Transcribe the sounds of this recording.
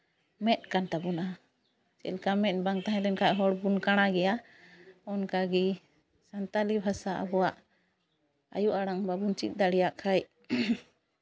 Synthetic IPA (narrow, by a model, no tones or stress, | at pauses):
mɛt̪̚kanʈabuna | t͡ʃɛ̰lkamɛt̪̚baŋt̪aɦãlɛnkaʔɦɔɽbunkaɽ̃aɡɛja | ɔnkaɡi | sant̪alibʱasaʔa̰bɔwaʔ | a̰juʔaɽaŋbabunt͡ʃḭt̪̚ˀd̪aɽɛjaʔkʰaj